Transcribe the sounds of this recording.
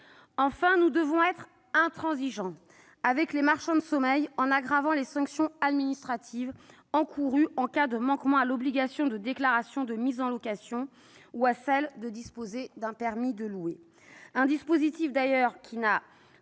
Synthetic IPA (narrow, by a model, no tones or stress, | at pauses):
ɑ̃fɛ̃nud̪əvɔ̃ɛt̪χ | ɛ̃t̪χɑ̃ziʒɑ̃ | avɛklemaʁʃɑ̃d̪əsɔmɛjɑ̃naɡʁavɑ̃lesɑ̃ksjɔ̃ad̪minist̪χat̪ʰiv | ɑ̃kʰuʁyɑ̃kad̪əmɑ̃kmɑ̃alɔbliɡʲasjɔ̃d̪əd̪eklaʁasjɔ̃d̪əmizɑ̃lɔkasjɔ̃ | uasɛld̪əd̪ispozed̪ɛ̃pɛʁmid̪əlue | ɛ̃d̪ispozit̪ifd̪ajœʁkʲʰina